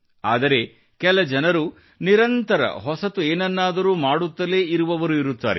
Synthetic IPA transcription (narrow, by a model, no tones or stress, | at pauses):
a̰ːd̪ɐɾe̞ | kɛlɐd͡ʒɐnɐɾu | niɾɐnt̪ɐɾɐ̰ɦɔsɐt̪ueːnɐnːaːd̪ɐɾuːmaːɽut̪ːɐle̞ːiɾuʋɐʋɐɾuiɾut̪ːa̰ːɾḛ